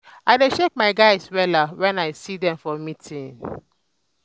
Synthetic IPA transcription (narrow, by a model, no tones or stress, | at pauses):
aɪdeʃek̚maɪɡaɪswɛlawɛ̃naɪsidɛ̃mfɔmitʰĩn